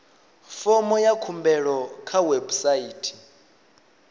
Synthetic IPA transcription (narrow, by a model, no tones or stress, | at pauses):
fɔmɔjakʰumbɛɺɔkʰawebusaiːtʰi̥